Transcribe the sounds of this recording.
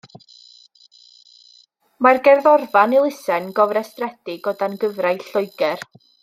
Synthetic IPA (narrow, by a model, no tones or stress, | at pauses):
marɡɛrðɔrvanilˠɪsɛnɡɔvrɛstrɛd̥ɪɡɔdanɡəvrajɬʊjɡɛr